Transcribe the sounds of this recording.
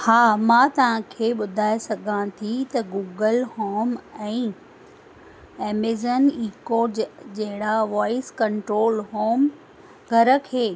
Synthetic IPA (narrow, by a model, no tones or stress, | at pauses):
haːmãːt̪ɐʋ̤ãkʰeːɓʊd̪ʱaːesɐɡʱãt̪ʰit̪ɐɡuːɡəlhoːmɛ̃ː | ɛːmezəniːkoːd͡ʑd͡ʑɐɦɪɽaʋaːɪskɐɳʈɾoːlɦoːm | ɡʱɐɾə̆kʰeː